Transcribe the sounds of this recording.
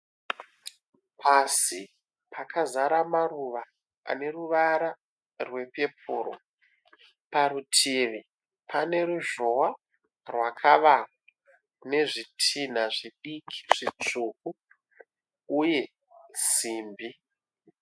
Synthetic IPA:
pʰasi | pʰakʰazaɾamaruʋa | a̰ne̞ruʋaɾa | rwe̞pe̞pʰuːro̰ | paɾutʰiʋi | pʰane̞ɾuʐowa | rwakʰaʋa | ne̞ʐitʰin̤aʐiɗikʰi̥ʐ̥it͡ʂuʔu | je̞ | z̥iːmbi

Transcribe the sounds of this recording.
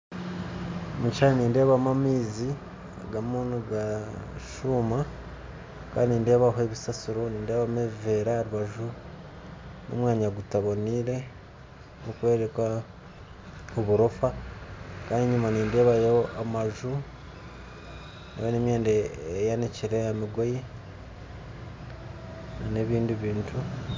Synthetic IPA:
mut͡ʃanniːnde̞ːβamamiːzi | aɡamuːnuɡaʃuma | ka̰ːndiniːnde̞ːβaɦoeβisasuɾo̞niːndeːβameβive̞ːɾaaɾuβaʒu | no̰mwaːɲaɡutaβo̞niɾe̞ | okwe̞ːɾekwa | oβuɾofa | kaːndiɲumaniːnde̞ːβajeoʔamaʒu | nḛβenemjeːndeːjaniciɾeamiɡo̞je | nane̞βiːndiβiːntʰu

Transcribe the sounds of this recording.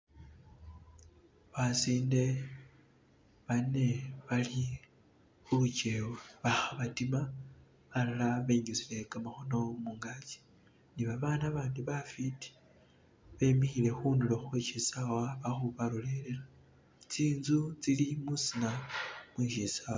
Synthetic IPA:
βasiːnde̞ | βane̞βali | xuut͡ʃe̞weβaxaβatima | βalolaβeɲut͡sile̞kamaxo̞no̞muŋɡat͡ʃi̥ | niβaβaːnaβaːndiβafiti̥ | βe̞mixile̞xunuloxweʃisawaβaxuβaɾole̞lela | t͡siːnzut͡silimusinamwiʃisawa

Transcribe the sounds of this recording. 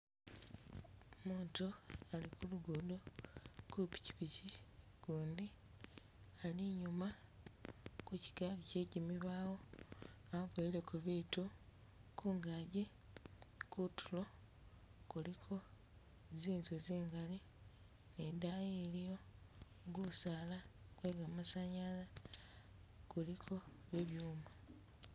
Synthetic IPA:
muːntualikuluɡodokupi̥ci̥βici | ɡ̥uːndi | aliɲuma | kuci̥ɡalice̞ɟimiβaːwo̞ | aβweːlekuβeːtu | kʰuːŋɡaːɟe | kutʰulo̞ | kulikʰo̞ | ziːnzuziːŋɡali | nedajelijo̞ | ɡusaːlakwe̞ːɡamasaɲala | kulikʰo̞ | βeβjuːma

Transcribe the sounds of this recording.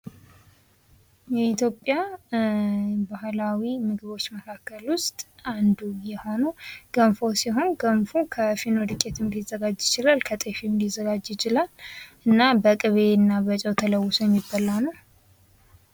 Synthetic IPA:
jɛit̪jo̞pʼja | bahlawimɨɡɨβo̞t͡ʃːməkʰakːəlwʊst̪ʼand̪ujɛho̞nəwɡ̥əmfosiɦo̞nɡəmfukʰəfinod̪ɨkʼːet̪ʰɨmd̪izːəɡad͡ʒjɪt͡ʃɪlalkʰət̪ʼefimd̪izːəɡad͡ʒjɪt͡ʃɪlalʔɨnːabəkʼɨβe̞nːaβət͡ʃʼəwt̪ʰələwːʊsojɛmːɪbːalːanəw

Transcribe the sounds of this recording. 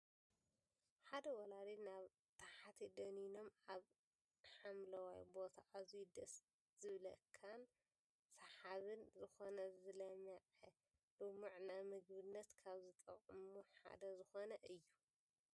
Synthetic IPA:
ħad̪ɐwɐlad̪inaβ | t̪ʰaħat̪ʰid̪ɐnino̞maβ | ħamlɐwa̰jbo̞t̪ʰaʔazujd̪ɐs | z̥ɨβlɐkʰan | sɐħaβɨnzɨxo̞nɐzɨlɐmɐʕɐ | lɨmuʕnamɨɡbɨnːɐt̪kʰaβzɨt̪ʼɐ̰kʼɨmuħa̰d̪ɐzɨxonɐʔɨjːu

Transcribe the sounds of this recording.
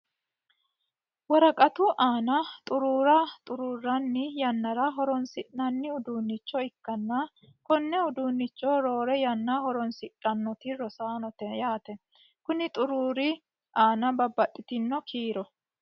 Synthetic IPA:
wɐɾɐkʼɐt̪uʔaːnɐt̪ʼʊɾuːɾɐt̪ʼʊɾuːrːɐnːɪjɐnːɐɾɐɦɔɾɔnsɪʔnɐnːɪʊd̪uːnːɪt͡ʃːɔɪkːɐnːa | kɔnːɛʊd̪uːnːɪt͡ʃːɔɾoːɾɛjɐnːaɦɔɾɔnsɪtʼːɐnːɔt̪ɪɾɔsaːnɔt̪ɛjaːt̪ɛ | kʊnɪt̪ʼʊɾuːɾɪ | aːnɐbɐbːɐt̪ʼːɪt̪ɪnːɔkʰiːɾɔ

